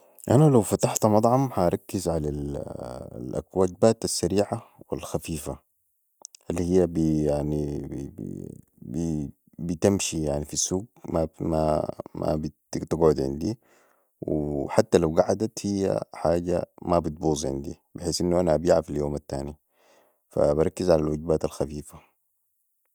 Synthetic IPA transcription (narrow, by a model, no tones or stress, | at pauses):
ʔanalawfat̪aħt̪amɑt̪ˤʕɑmhaɾˤɑkːizʕalal | lʔa̰kwaːɟbaːt̪asːaɾiːʕawḭlxafiːfa | alːihijːabijaʕnḭ | bi | bit̪amʃijaʕnifisːuːɡ̚mama̰ma̰bitt̪aɡʕʊd̪ʕḭnd̪i | wiħat̪ːalawɡaʕad̪at̪hijːa̰ħaːɟa̰mabit̪̚buːzˤʕɪ̰nd̪ḭ | bɪħeːsʔinːuʔanaʔabiːʕafiljoːmat̪ːaːni | fa̰bɑɾˤɑkːizʕalalwaɟbaːt̪alxafiːfa